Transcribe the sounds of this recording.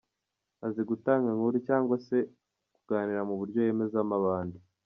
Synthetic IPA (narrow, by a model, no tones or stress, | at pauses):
aziɡutaːŋɡaŋuɾicaːŋɡwase̞ | kuɡ̥aːniɾamuβuɾɟo̞je̞ːme̞zamaβaːndi